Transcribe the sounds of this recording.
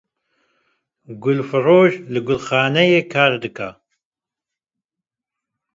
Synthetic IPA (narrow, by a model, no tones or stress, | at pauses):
ɡʊlfɨroːʒlɨɡʊlxaːnɛjekʰaːɾd̪ɨkʰa